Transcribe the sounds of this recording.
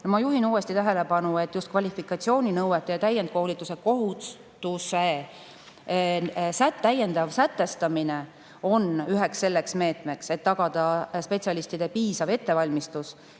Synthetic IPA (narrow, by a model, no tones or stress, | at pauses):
nomɑjuɦinuːe̞st̪it̪æɦe̞le̞pɑnue̞t̪ːˑjust̪̚kvɑlʲifikˑɑt̪sio̞ːnʲinɤwet̪ːˑejɑt̪æjend̪̚kolʲit̪ːˑuse̞ko̞ɦu | t̪use | sæt̪ːæje̞nd̪̥ɑvsæt̪ːe̞st̪ɑmine̞ | o̞nyɦeksːe̞lːe̞ksme̞ːt̪me̞kse̞t̪ːɑɡ̥ɑd̪̥ɑspe̞t̪ʲsiɑlist̪id̪̥e̞piːsɑve̞t̪ːe̞vɑlʲmist̪us